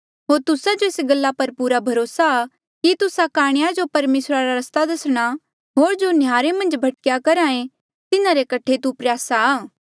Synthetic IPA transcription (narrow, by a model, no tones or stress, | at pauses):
ɦoːɾt̪ʊsad͡ʒoɪsɡɐlːapɐɾpuːɾabʱɐɾoːsa | kit̪ʊsakaːɽ̃ɪjad͡ʒopɐɾmeːsɾaɾaɾɐst̪ad̪ɐsɽ̃a | ɦoːɾd͡ʒonjaːɾemɐ̃nd͡ʒbʱɐʈ̚kjakɐɾãːẽ | t̪ɪnãɾekɐʈʰet̪upɾjaːsaaː